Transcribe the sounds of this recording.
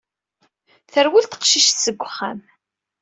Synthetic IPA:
θəɾwilt̪ə̥qʃiʃt̪səɡʷːχːam

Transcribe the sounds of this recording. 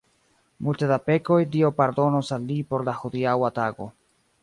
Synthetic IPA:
multedape̞ko̞jdio̞paɾdo̞nosalːipo̞ɾlaxud̪iawataɡo̞̰

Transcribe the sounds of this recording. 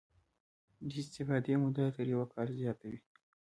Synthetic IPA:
d̪əɪst̪ɪfɑd̪emʊd̪at̪əɾjawakʰɑɾzjɑt̪awi

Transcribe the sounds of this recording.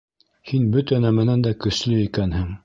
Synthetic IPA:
hinbɵt̪ænæmænænd̪ækɵ̆slɵikænhɘŋ

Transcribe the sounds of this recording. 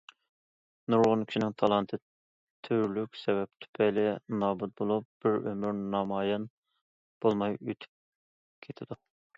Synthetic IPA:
nuɾʁʊnkʲi̥ʃinɪŋt̪ʰɑlˠɑnt̪ʰɨ | t̪ʰyɾlykʲsɛvɛp̚t̪ʰy̥pʰɛlɪnɑːbut̪̚bolˠup̚b̥ɪɾømyɾnɑmɑːjɑn | b̥olˠmɑjøt̪ʰy̥p̚ | kʲʰet̪ʰɪd̪u

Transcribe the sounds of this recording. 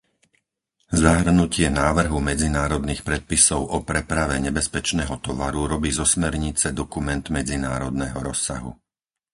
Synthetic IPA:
zaɦr̩nucɪɛnaːʋr̩ɦumɛd͡zinaːɾɔd̪niːxpɾɛt̪̚pisɔʊʔɔpɾɛpɾaʋɛɲɛbɛspɛt͡ʃnɛːɦɔt̪ɔʋaɾuɾɔbiːzɔsmɛɾɲit͡sɛd̪ɔkumɛnd̪mɛd͡zinaːɾɔd̪nɛːɦɔɾɔsːa̰ɦṵ

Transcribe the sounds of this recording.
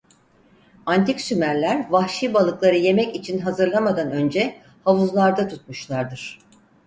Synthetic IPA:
ant̪ʰiksymæɾlʲæɾvahʃiːbalˠɯklˠaɾɯje̞mɛcit͡ʃʰinɦazɯɾlˠamad̪anø̞nd͡ʒɛ | havuzlˠaɾd̪at̪ʰut̪̚muʃlˠaɾd̪ɯɾ̥

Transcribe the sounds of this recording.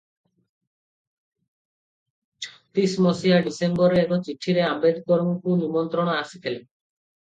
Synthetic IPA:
t͡ʃʰɔ̥t̪ismɔsijaɖisembɔɾeːkɔt͡ʃiʈʰiɾeabed̪k̪ɔɾuŋkunimɔnt̪ɾɔɽ̃ɔasik̪ʰele

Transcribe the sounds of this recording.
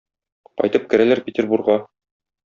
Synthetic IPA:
qɒ̰jt̪ɤp̚kɘ̆ɾælæɾpʲɪtʲerbuɾrʁɑ

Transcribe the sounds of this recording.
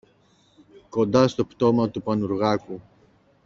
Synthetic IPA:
ko̞nd̪ɐst̪o̞pt̪o̞mɐt̪upɐnuɾɣɐku

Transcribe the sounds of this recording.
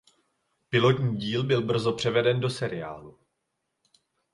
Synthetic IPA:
pɪlo̞t̪ɲiːɟiːlbɪlbr̩zo̞pr̝̥ɛvɛdɛndo̞sɛɾɪa̰ːlu

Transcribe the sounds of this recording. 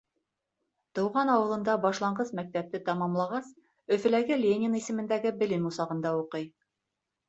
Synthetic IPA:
t̪ɤ̆wʁɑnɑwɤ̆lˠɤ̆nd̪ɑbɑʃlˠɑɴɢɤzmæk̚t̪æp̚t̪ɘt̪ɑmɑmlˠɑʁɑs | ɵ̆fɘ̆læɡɘlʲenʲɪnisɘ̆mɘ̆nd̪æɡɘbɘ̆lɘmusɑʁɤ̆nd̪ɑuqɤj

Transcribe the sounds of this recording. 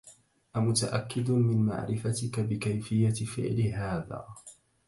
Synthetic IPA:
ʔamʊt̪aʔakːɪd̪mɪnma̰ʕɾɪfat̪ɪkabɪkajfɪjːafɪ̰ʕlɪɦaːða̰ː

